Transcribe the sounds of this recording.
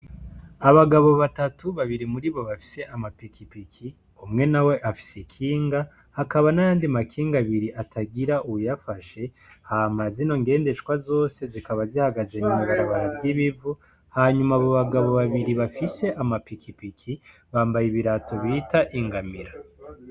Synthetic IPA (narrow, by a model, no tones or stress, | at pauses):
aβaɡaβo̞βatatuβaβiɾimuɾiβo̞βafi̥se̞ʔamapikipiki | umŋe̞nawe̞ʔafi̥sekʰiːŋɡa | hakaβanajaːndimakʰiːŋɡaβiɾiʔatʰaɡiɾaʔuujafaʃe̞ | hamazino̞ŋɡe̞ːnde̞ʃkwazo̞ːse̞zikaβazihaɡazenemuβaɾaβaɾabɟiβivu | haɲumaβoβaɡaβo̞βaβiɾiβafise̞ʔamapikipikʰi | βaːmbajiβiɾato̞βitaʔiŋɡamiɾa